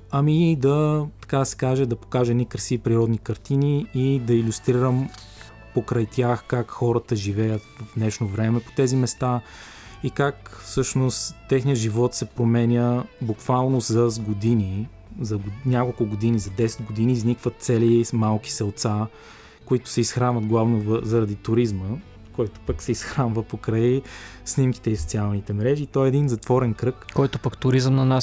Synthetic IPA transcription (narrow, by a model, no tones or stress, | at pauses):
ɐmid̪ɐt̪ɐ̥kad̪ɐsɛ̥kaʒɛd̪ɐpo̥kaʒɛnikɾəsipɾiɾɔd̪nikɐɾt̪iniid̪ɐilʲust̪ɾiɾəm | pokɾɐjt̪ʲjaxkakxɔɾət̪əʒivɛjət̪vd̪nɛʃnovɾɛmɛpo̥t̪ɛzimɛst̪a | ikakfsɤʃnost̪t̪ːɛxnijəʒivɔt̪sɛpɾomɛnʲəbukvalˠnozɐzɡod̪ini | zɐɡnʲakolˠkʊɡod̪inizɐd̪ɛsɛ̥d̪ɡod̪iniznikvət̪̚t̪sɛlimalˠki̥sɛlˠt̪sa | koit̪ʊ̥sɛisxɾanvət̪̚ɡlˠavnovzɐɾɐd̪it̪ʊɾizmə | kɔjt̪ʊ̥pəksɛisxɾanvəpokɾaisnimki̥t̪ɛiso̥t̪sialˠnit̪ɛmɾɛʒiːt̪ɔɛːd̪inzɐt̪vɔɾɛnkɾɤkkɔjt̪ʊpəkt̪ʊɾizəmnɐnas